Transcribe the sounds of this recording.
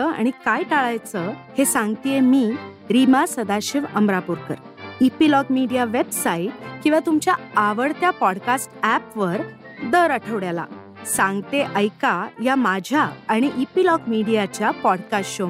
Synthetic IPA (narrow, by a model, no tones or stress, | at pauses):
əa̰ɽ̃ikajʈaɭajt͡səhesãŋɡt̪ijemiː | ɾimasəd̪aɕiʋəmɾapuɾkə̰ɾ | ipilɔkmiɽijaʋebsaiʈ̚kĩw̃ʋat̪umt͡ɕjaaʋəɽt̪japɔɽkasʈæpʋəɾ | d̪əɾəʈʰəʋɽjala̰ | sãŋɡt̪eʔəjkajamad͡ʑʱjaːɽ̃iʔipilɔkmiɽijat͡ɕjapɔɽkast͡ɕo